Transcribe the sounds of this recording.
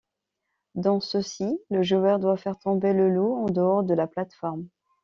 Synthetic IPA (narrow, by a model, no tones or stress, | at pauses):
d̪ɑ̃səsiləʒuœʁd̪wafɛʁt̪ɔ̃beləluɑ̃d̪əɔʁd̪əlaplat̪fɔʁm